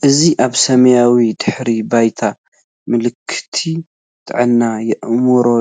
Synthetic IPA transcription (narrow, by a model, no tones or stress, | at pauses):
ʔɨziʔaβsɐmɐjawid̪ɨħɾibajt̪ʰa | mɨlɨkʰːɨ̥t̪ʰi | t̪ʼɨʕɨnːajɛʔmɨɾo